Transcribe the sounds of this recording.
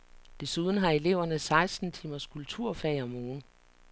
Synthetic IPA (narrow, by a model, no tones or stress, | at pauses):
d̥e̝suð̞ˠn̩ɦɑ̈e̝le̝ʊɐnəsɑ̈ɪsd̥n̩t͡sʰimɐskʰult͡sʰuɐ̰fɛɪɒmɔːn̩